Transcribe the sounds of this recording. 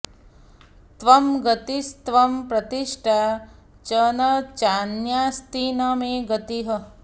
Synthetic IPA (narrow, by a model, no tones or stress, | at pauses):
t̪ʋɐmɡɐt̪ist̪ʋɐmpɾɐt̪iʂʈʰa | t͡ʃɐnɐt͡ʃaːnjaːst̪inɐmeːɡɐt̪iɦɐ